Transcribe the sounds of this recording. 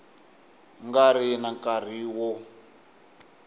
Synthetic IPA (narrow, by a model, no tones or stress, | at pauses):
ŋɡaɾinakar̤iːwɔ